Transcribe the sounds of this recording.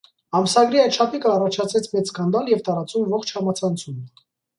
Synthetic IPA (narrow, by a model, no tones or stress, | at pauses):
ɑmsɑɡɾiɑjt̪ʃʰɑpʰikəɑrɑt͡ʃʰɑt͡sʰɛt͡sʰmɛt͡sskɑnd̪ɑljɛvt̪ɑɾɑt͡sumvɔχt͡ʃʰhɑmɑt͡sʰɑnt͡sʰumə